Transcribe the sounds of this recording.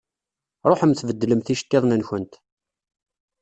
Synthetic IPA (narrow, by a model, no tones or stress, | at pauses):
ɾˤoħəmθvəd̪ːləmθiʃt̪ːeðˤnənçənt̪